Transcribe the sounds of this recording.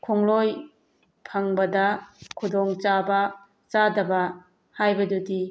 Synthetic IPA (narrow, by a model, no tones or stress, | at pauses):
kʰoŋloj | pʰɐŋbɐdɐkʰudɔŋt͡ʃabɐ | t͡ʃadɐbɐ | hajbɐdudi